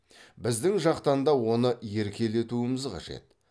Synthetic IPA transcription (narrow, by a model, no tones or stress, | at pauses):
bɪzd̪ɪŋʒɑqt̪ɑnd̪ɑwo̞nəje̞ɾkʲe̞le̞t̪uəməzqʰɑ̰ʒe̞̰t̪̚